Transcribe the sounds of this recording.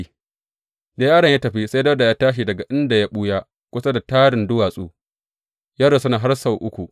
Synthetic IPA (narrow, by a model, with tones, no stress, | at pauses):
daː˦jaː˦ɽɐ˨ja˦tɐ˨ɸi˦sa˦dɐ˦da˨jaː˦taː˦ʃ̬i˨dɐ˨ɡa˨ʔɪ˦nda˨ja˦ɓu˦ja˦ | kʷʊ˦sa˦da˨taː˦ɽɪ˨ndʊ˦waː˨sʼṵː˦ | ja˦ɽa˨sʊ˦naː˨ɦa˦rsa˦˨wʔʊ˦kʷu˨